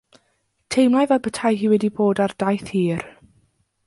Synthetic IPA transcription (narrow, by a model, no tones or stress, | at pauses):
tʰejmlˠajvɛbətʰajɦiːwɛdiboːdard̥ajθhiːr